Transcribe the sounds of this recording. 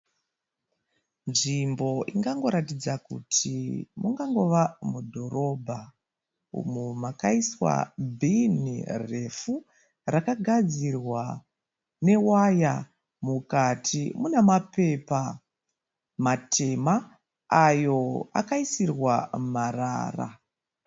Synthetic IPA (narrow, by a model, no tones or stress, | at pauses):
nʐimbo̞ʔiŋɡaŋɡo̞ɾatid͡zakṵtʰimuŋɡaŋɡo̞ʋamudʱo̞rʔo̞bʱa | ṵmumakaiswa̰bʱinḭre̞fu | rakaɡʱad͡zirwa | ne̞waja | mukatʰimunemape̞pa | matʰe̞maː | jo̞a̰kaisirwamara̰ːra̰